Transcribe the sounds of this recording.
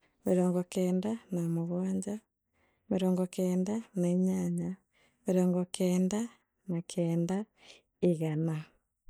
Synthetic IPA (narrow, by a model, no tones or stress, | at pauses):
meɾɔːŋɡɔkɛːndanamoɣaːɲd͡ʑa | meɾɔːŋɡɔkeːndanaiɲaɲa | meɾɔːŋɡɔkɛːnda | nakʰɛːnda | iɣana